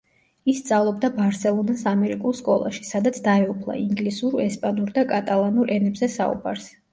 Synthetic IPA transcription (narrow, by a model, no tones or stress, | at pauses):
isːt̪sʼavlˠɔb̚d̪abaɾsɛlˠɔnasamɛɾikʼulˠskʼɔlˠa̰ʃi̥sad̪at̪sʰd̪aɛupʰlˠa̰iŋɡlisuɾɛspʼanuɾd̪akʼat̪ʼalˠanuɾʔɛnɛbzɛsa̰ṵba̰ɾs